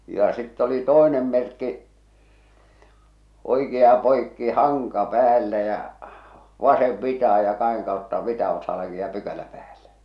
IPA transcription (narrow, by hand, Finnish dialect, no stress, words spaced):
jɑ sitː oli toˑenem merkːi oikeɑ poikːi hɑŋkɑ pæːlːæ jæ̠ ʋɑseʋ ʋitɑhɑ jɑ kɑheŋ kɑˑotːɑ ʋitɑ oksɑlːɑ kiːn̆ĭ jɑ pykælæ pæːlːe